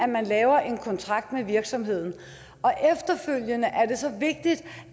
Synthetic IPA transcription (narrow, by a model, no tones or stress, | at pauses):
æmænlɛːʊɐʔe̝nkʰɒ̽nt͡sʰʁɑ̈ɡ̥̚d̥meʋiɐɡ̥sɒ̽mɦe̝ð̞̰ˠn̩ | ɒ̽ʔefd̥ɐføl̰jənəʔæɐd̥e̝sɒ̽ʋe̝ɡ̥̚d̥id̥